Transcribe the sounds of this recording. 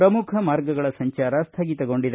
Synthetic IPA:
ɾɐmukʰɐmaːɾɡɐɡɐɭɐsɐɲt͡ʃaːɾɐst̪ʰɐɡit̪ɐɡo̞ɳɖid̪

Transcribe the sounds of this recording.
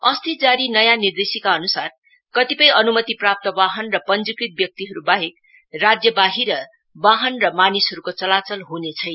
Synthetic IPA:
ʌst̪id͡zaɾinʌjanird̪esikaʌnusar | kʌt̪ipʌjʌnumʌt̪iprap̚t̪ʌbaɦʌnrʌpʌnd͡zukɾit̪̚bjʌk̚t̪iɦʌɾubaɦek̚ | rad͡zjʌbaɦiɾʌ | baɦʌnrʌmanisɦʌɾukot͡sʌlat͡sʌlɦunet͡sʰʌj

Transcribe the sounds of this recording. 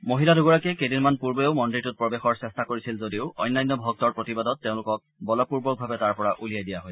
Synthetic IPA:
moɦiladuɡɔɹakɛkejdinmanpuɹbɔeʊmɔnditʊt̚pɹɔbexɔɹsɛstakoɹisilzodiʊɔ̰jnːajnːɔbʱɔk̚tɔɹpɹotibadɔtːeʊ̃lʊkɔk̚bɔlɔpuɹbɔk̚bʱabɛtaɹpɔɹaʔulijajdijaɦoj

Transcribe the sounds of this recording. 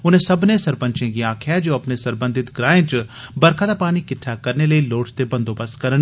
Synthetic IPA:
ʊnẽsɐbnesɐɾpə̃ɲt͡ʃẽɡiaːkʰjad͡ʒoːɐpnesɐɾbə̃nd̪ʱɪt̪ɡɾaːẽt͡ʃbɐɾkʰad̪apaːnikɪʈʰːakɐɾneləiloːʈʰt̪ebɐ̃nd̪obɐskɐɾən

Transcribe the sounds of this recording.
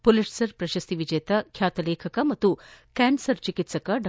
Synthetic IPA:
poliʈsɐɾpɾɐʃɐst̪iʋid͡ʒɐjɐt̪ɐkʰjaːt̪ɐleːkʰɐkɐmɐt̪ːukaːnsɐɾt͡ʃikit̪sɐkɐɖɐ

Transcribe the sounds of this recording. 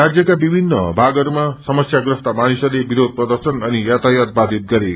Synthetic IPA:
ɾad͡zjʌkabibʱinːʌbʱaɡʌɾumasʌmʌsjaɡrʌst̪amanisʌrlebiɾod̪̚ʱprʌd̪ʌrsʌnʌnijat̪ajat̪̚bad̪ʱit̪̚ɡʌɾe

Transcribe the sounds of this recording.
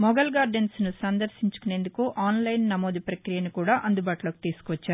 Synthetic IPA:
mɔɡɐlɡaːɾɖensnusɐnd̪ɐɾʃiɲt͡ʃu̥kune̞ːnd̪ukuʔaːnlɐjnːɐmo̞ːd̪ipɾɐkɾijɐnikuːɽaːʔɐnd̪ubaːʈulo̞ːki̥t̪iːsu̥kʋɐt͡ʃːaːɾu

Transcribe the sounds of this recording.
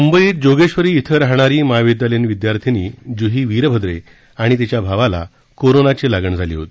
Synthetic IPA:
mumbəiːt̪̚d͡ʑoɡeɕʋəɾiːt̪ʰəɾaɦɳaɾiːmaʋid̪jalenʋid̪jaɾt̪ʰiniːd͡ʑuɦiːʋiɾbʱəd̪ɾe | aɽ̃it̪it͡ɕjabʱaʋala̰ | koɾonat͡ɕelaɡəɳd͡zʱalḭɦo̰t̪i

